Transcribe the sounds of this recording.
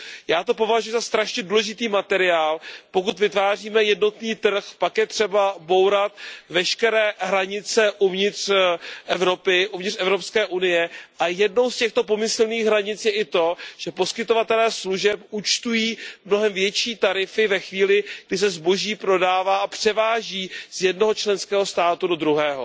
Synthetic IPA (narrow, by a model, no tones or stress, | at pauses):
jaːt̪o̞p̬o̞vaʒujuzast̪ɾaʃɲɛduːlɛʒɪt̪iːmat̪ɛɾɪaːlpo̞kut̪vɪt̪vaːriːmɛjɛdno̞t̪niːt̪r̩xpakjɛt̪r̝̥ɛbabo̞wɾat̪̚vɛʃkɛɾɛːɦɾaɲɪt͡sɛʔuvɲɪt̪r̥ʔɛvɾo̞pɪʔuvɲɪtrɛvɾo̞pskɛːʔunɪjɛʔajɛdno̞wscɛxt̪o̞p̬o̞mɪsl̩niːɣɦɾaɲɪt͡sjɛʔɪt̪o̞ʒ̥ɛpo̞skɪt̪o̞vat̪ɛlɛːsluʒɛp̚ʔut͡ʃt̪ujiːmno̞ɦɛmvjɛt͡ʃiːt̪aɾɪfɪvɛxviːlɪɡ̚dɪs̬ɛzbo̞ʒiːpɾo̞daːvaːapr̥ɛvaːʒiːz̥jɛdno̞ɦo̞t͡ʃlɛnskɛːɦo̞st̪aːt̪udo̞d̪ɾuɦɛːɦo̰